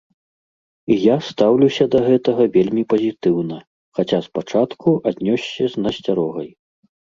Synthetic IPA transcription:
ijast̪awlʲusʲɐd̪ɐɣɛt̪ɐɣɐvʲelʲmʲipɐzʲit̪ɨwnɐ | xat͡sʲaspat͡ʂat̪kuʔad̪ʲnʲɔsʲːɐznɐsʲt͡sʲaɾɔɣɐj

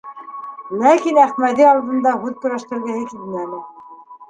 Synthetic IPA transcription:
lækinæχmæd̪iɑlˠd̪ɤ̆nd̪ɑɦʉðkɵ̆ɾæʃt̪ɘ̆ɾɡɘ̆hɘkilmæmɘ

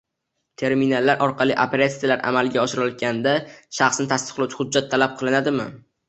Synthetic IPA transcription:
t̪ʰe̞ɾminalˠːaɾʔɒɾqʰɑlˠiʔapʰeɾʲat̪sijalaɾʔa̰malˠɡʲaɒʃɪɾɒlɡʲand̪aʃɑχsnɪt̪ʰast̪ɨ̥qlˠawt͡ʃʰɪ̥hʊd͡ʒːat̪ʰːalap̚qʰɨlˠɪnad̪ɪmɪ̰

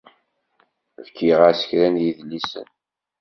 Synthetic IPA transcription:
vkiʁasə̥çɾænjiðlːisə̰n

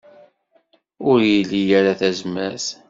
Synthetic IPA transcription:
ʊɾjilːijaɾaθæzmæθ

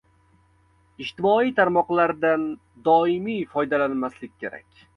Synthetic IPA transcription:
ɪʃt̪ɪmɒit̪ʰaɾmɒqlˠaɾd̪an | d̪ɒɪmijfɒjd̪alanmaslɪk̚ʲkʲʰːe̞ɾa̰kʲ

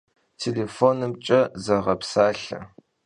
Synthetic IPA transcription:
tʰelefoːnɨmt͡ʃʼɐzɐʁɐpsaːɬɐ̰

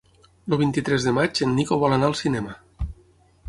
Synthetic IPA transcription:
loβint̪it̪ɾɛzðəmat͡ʃenːikoβɔlanaəlˠsinɛmə

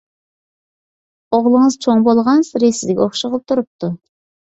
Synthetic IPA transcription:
oʁlˠəŋəzt͡ʃʰoŋbolˠʁɑnsɾesɪzd̪ɪkʲoχʃəʁəlˠɨp̚t̪ʰuɾup̚t̪ʰu

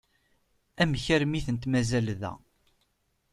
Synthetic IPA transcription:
æməçəɾmiθənt̪mæzælðæ̰

